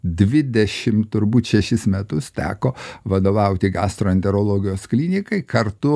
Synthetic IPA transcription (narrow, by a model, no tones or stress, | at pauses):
d̪ʲʋʲɪd̪ʲɛʃʲɪmt̪ʊɾbuːt̪ʃʲɛʃʲɪsmʲɛt̪ʊst̪ʲæ̰ːkoːʋɐd̪oːʋɐʊt̪ʲɪɡɑːst̪ɾoːɛnʲt̪ʲɛɾoːlˠoːɡʲɪjoːsklʲinʲɪkɐɪkɐɾt̪ʊ